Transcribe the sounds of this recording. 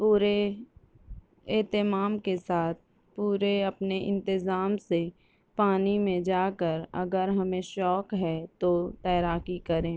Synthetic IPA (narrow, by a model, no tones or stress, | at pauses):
puːɾe | ɛːt̪ɪmaːmkesaːt̪̚ʰ | puːɾeɐpneʔɪ̰̃nt̪ɪzaːmse | paːnimẽd͡ʒaːkəɾɐ̰ɡəɾɦɐmẽʃɔːkɦɛt̪ot̪ɛːɾaːkikɐɾẽː